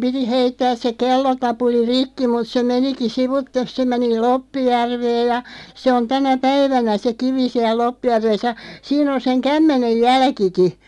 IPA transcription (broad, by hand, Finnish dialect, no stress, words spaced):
piti heitːæːs se kelːotɑpuli rikːi mut se meniki siʋutːes se meni lopːijærʋeːj jɑ se on tænæ pæiʋænæ se kiʋi siæl̆ lopːijærʋes jɑ siːn on seŋ kæmːenej jælkiki